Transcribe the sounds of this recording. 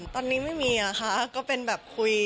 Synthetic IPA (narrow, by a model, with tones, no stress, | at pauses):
t̪ɔː˧nːiː˦˥ma˥˩jmiː˧ʔa˧˩kʰa˦˥kɔː˥˩pe˧nbɛː˨˩p̚kʰu˧j